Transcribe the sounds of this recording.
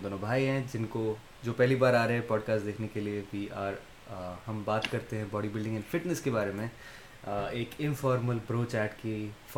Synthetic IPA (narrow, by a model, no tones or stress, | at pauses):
d̪oːnobʱaːiɦɛ̃d͡ʒɪnko | d͡ʒoːpɛɦlibaːɾaːɾɐɦɛpɔːɖkaːsʈd̪eːkʰnekelieʋiːaːɾ | hɐmbaːt̪kɐɾt̪eɦɛ̃bɔːɖibɪlɖɪ̃ŋɛnfɪʈnəskebaːɾemẽ | eːkɪnfɔːɾməlbɾoːt͡ʃɛːʈkif